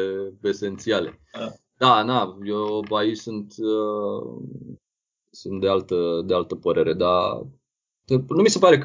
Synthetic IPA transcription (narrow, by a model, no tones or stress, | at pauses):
ee̞se̞nt̪siale̞̰ | d̪̥anajoait͡ʃsunt̪ | sunt̪̚d̪e̞alt̪əd̪ealt̪əpəɾe̞ɾe̞d̪a | t̪enumise̞paɾe̞k